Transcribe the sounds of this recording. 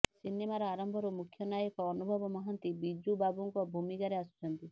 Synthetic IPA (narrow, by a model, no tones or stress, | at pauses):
sinemaɾɔaɾɔmbʱɔɾumukʰjɔnajɔkɔːnubʱɔbɔmɔɦant̪ibid͡ʒubabuŋkɔbʱumikaɾeasu̥t͡ʃʰɔnt̪i